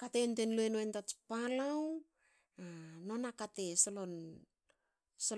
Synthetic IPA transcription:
katent̬enloenoentat͡ʃpalaw | ano̞nakate̞solon | s

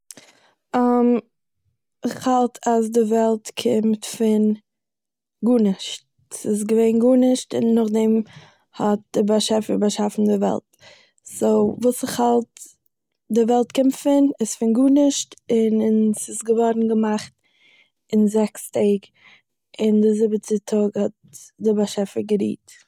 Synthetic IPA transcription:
am | ɪχhalˠtʰas̬dɪvɛlˠtkʰɪmtfɪn | ɡuːnɪʃt | sɪs̬ɡəveɪnɡuːnɪʃtɪ̰nːʊχdɛm | hɔt̚d̥ɪbaʃɛfəɾbaʃafn̩dɪvɛ̰lˠt | soʊvuːsɪχhalˠt | dɪvɛlˠtkɪmtfɪnɪsfɪnɡuːnɪʃtɪnɪnsɪsɡəvɔɾn̩ɡəmaχt | ɪnzɛkstʰeɪɡ | ɪndɪzɪbət͡sɪtʰʊɡhɔt̚ | dɪbaʃɛfəɾɡəɾḭːt

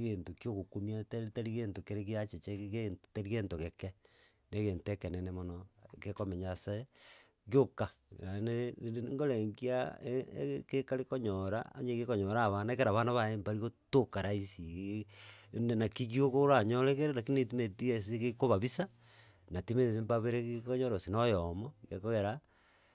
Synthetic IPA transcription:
ɣeːntokjokokomiatetaɾiɣentokeɾekiat͡ʃet͡ʃekketeɾiɣentoɣeke | neɣeːntekenenemonokekomeɲasa | kokaaneŋɡoɾeŋɡiaekekaɾekoɲoɾa̰a̰ɲeɣekoɲoɾaβanaekeɾaβanaβaembaɾiɣotokaɾaisi | nnakiɣiokoɾaɲoɾekeɾelakinietimeties̬ekekoβaβisa | natimeesembaβeɾekekoɲoɾosinojomoɣakoɣeɾa

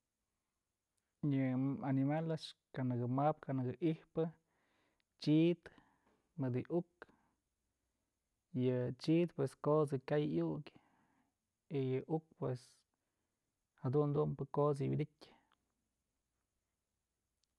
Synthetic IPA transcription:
jɨanimalat͡ʃkanɨɡɨmapkanɨkɨʔihpɨ | t͡ʃit̪ | mɨd̪jɨʔuk | jɨt͡ʃit̪pweskosɨkʲajjukʲ | ijɨʔuk̚pwes | had̪und̪uʔmpɨkos̬ɨwid̪ʲikʲ

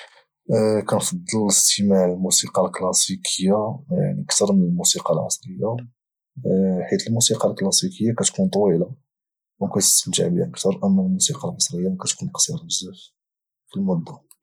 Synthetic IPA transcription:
kænfɑd̪ˤːələst̪əmaʕəlmusiqɑlklɑsikʰəjːaja̰ʕniəkt̪ɑɾˤmənəlmusiqɑlʕɑ̰sˤɾəjːa | ħit̪əlmusiqɑlklɑsikəjːakæt̪kunt̪ˤɑwila | wəkæt̪ə̥st̪əmt̪əʕbiæ̰ʔəkt̪əɾˤʔəmːæmusiqɑlʕɑsˤɾəjːakæt̪kunqɑ̥sˤiɾɑbzæf | fəlmʊd̪ːɑ

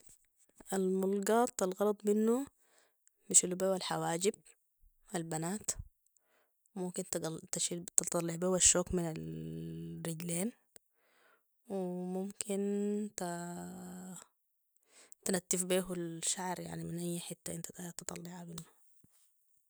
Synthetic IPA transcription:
ʔalmʊlɡɑːt̪ˤːalɣɑlɑd̪ˤminːu | mɪʃilːubeːwalħawaːd͡ʒɪb̚ | albanaːt̪ | mumkint̪t̪aʃit̪ɨt̪ˤːɑlːɪʕbiːhuaʃːoːkmɪnal | ɾɪɟleːn | wɪmumkʰint̪a | t̪anat̪ːɪfbiːɦulʃaʕɾja̰ʕnimɪnʔajːaħɪt̪ːaʔint̪at̪at̪ːɨt̪ˤɑlːɪʕɑbinːu

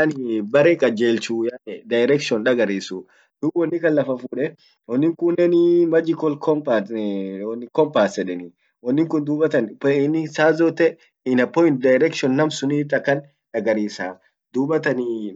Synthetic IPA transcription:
nɪbɐɾekʼɐd͡ʒeːlt͡ʃuːjanɛd̪ɐjɾɛkʃɔnᶑɐɡɐɾiːsu | d̪̥ʊbwɔnːɪkɐnlɐfɐfuːᶑɛ | wɔnːɪŋkʊnːɛnɪmɐd͡ʒɪkɔlkʰɔmpa | nkɔmpaːsɛᶑɛnɪ | wɔnːɪŋkʊnd̪uːbɐt̪ɐnɪnːɪsaːzɔt̪ɛ | ɪnɐpɔjɪnt̪̚d̪ajɾɛkʃɔnːɐmsʊniːt̪ɐkːɐn | ᶑɐɡɐɾiːsaː | d̪uːbɐt̪ɐnɪ

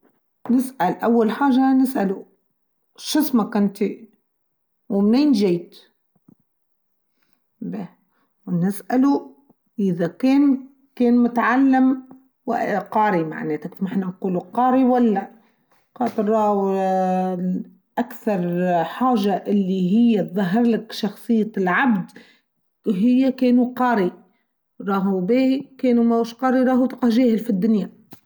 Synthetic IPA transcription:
nɪsʔalʔawːalħaːʒanɪsʔalu | ʃɪsmakʊnt̪i | wmneːnʒeːt̪ | be | wnɪsʔalu | ʔɪðakeːn | keːnmʊt̪ʕalːɪm | wa̰ʔqɑːɾima̰ʕneːt̪akmɪħnanquːluqɑːɾiwalːa | qɑːt̪rˤɑːw | ʔakθɑɾˤħaːʒaʔɪlːiɦɪjːat̪ðˤɑɦɑɾˤlakʃɑxsˤɨjːalʕabd̪ | ɦɪjːakeːnuqɑːɾi | ɾˤɑːɦubeːkeːnumawɪʃqɑːɾiɾˤɑːɦut̪ɑ̥qɑʒeːhɪlfid̪ːʊnja

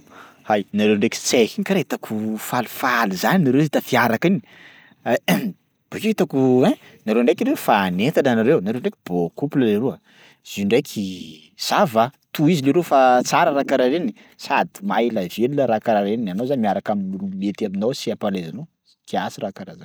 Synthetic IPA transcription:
hajnaɾewɳɖ͡ʐeki̥t͡sehiɲikaɾait̪akʰufalu̥faalizaninaɾewzit̪afiaɾakini̥ | b̥okeet̪akuɛ̃ | naɾewɳɖ͡ʐajkʲiɾewfaːnet̪ananaɾewnaɾoɳɖ͡ʐekʲi̥b̥okupuləlerea | z̥iɳɖ͡ʐejkʲʰi | z̥avə | t̪uizileɾewfat͡saɾəɾakaɾaɾenini | sad̪i̥majlaveluləɾakaɾaɾeninanowzaɲmiaɾakamiulumet̪aminowsiapalezano | kiasirakaɾazan

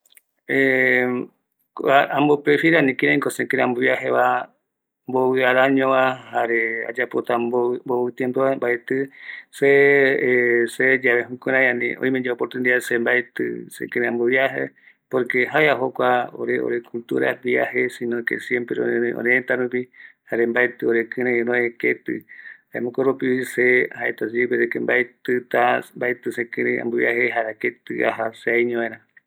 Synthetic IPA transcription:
e | kaambopɾefiɾanĩkiɾãĩkosẽkẽɾẽãmboβjaɦeβa | mbowɨaɾaɲõβãhaɾea̰d͡ʒapot̪ambowɨt̪jẽmpoambaet̪ɨse | sed͡ʒaβeɦũkeɾãjanḭ̃õ̰ĩmẽd͡ʒeopoɾt̪end̪iasembaet̪ɨ̰sḛ̃kẽɾãmboβjaɦḛ | poɾkeɦaeaɦokʷao̰ɾeo̰ɾekult̪uɾabia̰ɦesinõkḛsjempɾeo̰ɾeɾõʔo̰ɾet̪aɾup̬ihaɾembaet̪ɨoɾekɨ̃ɾẽɾõẽket̪ɨ̰aemõkoɾopisehaet̪asipeɾekembaet̪ɨt̪ambaet̪ɨsekɨ̃ɾẽã̰mboβja̰heɦaɾaket̪ɨa̰haseajɲõẽɾã

